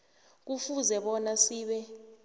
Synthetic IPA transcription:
k̬ufuzɛɓɔnasiːɓɛ

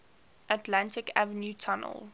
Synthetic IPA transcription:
ʔətlãntɪkʰa̰vənjutʰanə̰lˠ

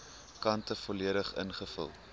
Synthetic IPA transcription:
kɐntəfɔliəɾəχə̰nχəfə̰lˠ

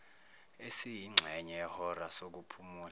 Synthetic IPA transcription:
esijiŋ͡ǁʱɛɲɛɛhɔrasok̬upʰumuːl

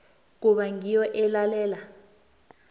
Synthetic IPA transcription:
k̬uɓaŋijɔʔɛlalɛːla

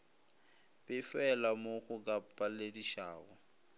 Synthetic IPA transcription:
pʼɪfɛlamoɣʊk̬ʼapʼalediʃa̰ːɣɔ

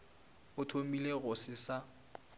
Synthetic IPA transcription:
ʊtʰomileɣʊsɪsa

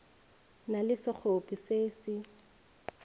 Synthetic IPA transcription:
nalɪsɪk͡xʰopʼiseːsɪ

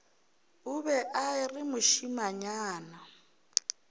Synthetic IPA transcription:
ʊbɛʔaɪrɪmʊʃimaɲaːna

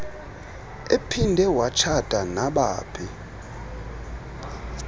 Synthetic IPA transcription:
epʰindʱɛwat͡ʃʰad̥ʱʼanaɓaːpʰi

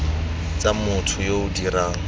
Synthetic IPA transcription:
t͡sʼamʊtʰʊjoʊdiraːŋ̩

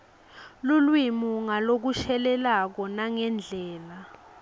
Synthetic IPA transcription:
lulwimuŋalok̬uʃɛlɛlak̬ɔnaŋɛnd͡ɮʱɛːla

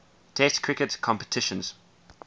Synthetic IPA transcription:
tʰɛstkʰɹɪkətkʰɔ̃mpə̥tʰɪʃə̃nz̥

